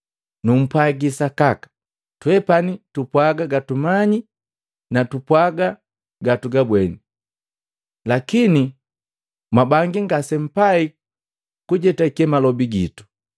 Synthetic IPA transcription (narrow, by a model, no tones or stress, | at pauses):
num̩pwaɡisakakḁ | twɛpanitupwaɡaɡatumaɲi | natupwaɡa | ɡatuɡabwɛni | lakini | mabaŋɡiŋɡasɛm̩pai | kuɟɛtaikɛmalɔbiɡḭtu̥